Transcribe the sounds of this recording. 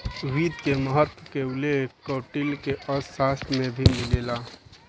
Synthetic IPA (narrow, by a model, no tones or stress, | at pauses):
ʋiːd̪keməɦət̪wəkeʊlekɔʈilkeʔəaːsmẽbʱimilela